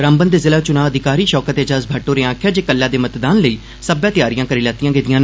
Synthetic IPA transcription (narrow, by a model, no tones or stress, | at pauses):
ɾãːmbənd̪eːzɪlaːt͡ʃʊnãːəd̪ʱɪkaːɾiːʃɔːkət̪eːd͡ʒaːsbʱaːʈːoːɾeːãːkʰjaːd͡ʒeːkəlːaːd̪eːmət̪d̪aːnləiː | səbãːt̪ɪjaːɾijãːkəɾiːlɛːt̪ijãːɡeːd̪ijãːn